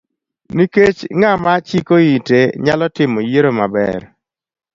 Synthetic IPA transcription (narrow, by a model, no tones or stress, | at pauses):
niket͡ʃŋamat͡ʃikoiteɲalɔtɪmojeɾomabɛ̰ɾ